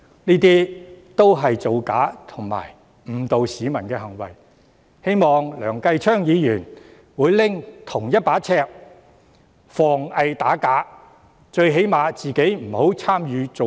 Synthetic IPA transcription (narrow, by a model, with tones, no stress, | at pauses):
niː˥t̪̬iː˥t̪o˥wɦɐ˨jt͡so˨wka̰ː˨˥t̪ʰʊ˨˩ŋma̰ː˨˩j | m̩˨˩t̪o˨wsiː˨˧mɐ˨˩nkɛː˧ɦɐ˨˩ŋwɐ̰˨˩j | he˥jmɔː˨ŋlœ̰ː˨˩ŋkɐ˧jt͡ʃʰœː˥ŋjiː˨˧jyː˨˩n | wuː˨˧jlɪ˥ŋt̪ʰʊ˨˩ŋjɐ˥t̚paː˨˥t͡sʰɛː˧˥k̚ | fɔː˨˩ŋɐ˧jt̪aː˨˥kaː˨˥ | t͡ʃɵ˧ɥɦe˨˥jmaː˨˧t͡siː˨ke˨˥jm̩˨˩ho˨˥wt͡sʰaː˥mjyː˨˧t͡so˨